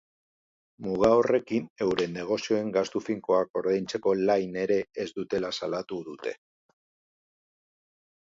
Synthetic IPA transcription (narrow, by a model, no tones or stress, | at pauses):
muɣ̞aore̞kine̞wɾe̞nːe̞ɣ̞o̞sio̞e̞ŋɡast̪ufiŋko̞ako̞ɾðejnt͡se̞ko̞lajne̞ɾe̞ːzd̪ut̪e̞lasalat̪uðut̪e̞